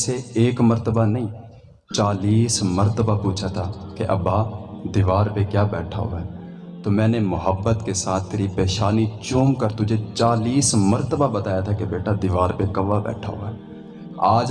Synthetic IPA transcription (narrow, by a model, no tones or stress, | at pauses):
seeːkməɾt̪əbanəĩː | t͡ʃaːliːsməɾt̪əbapuːt͡ʃʰaːt̪ʰaːkeʔə̰bːaːd̪ɪʋaːɾpekjaːbɛːʈʰa̰ːɦo̰aɛ | t̪oːmɛ̃ːnemʊɦəbːət̪kesaːt̪̚ʰt̪eːɾipeːʃaːnit͡ʃuːmkəɾt̪ʊd͡ʒʱet͡ʃaːliːsməɾt̪əbabət̪aːjaːt̪ʰaːkebeːʈʰad̪ɪʋaːɾpekəʋabɛ̰ːʈʰa̰ːɦo̰ːaɛː | aːd͡ʒ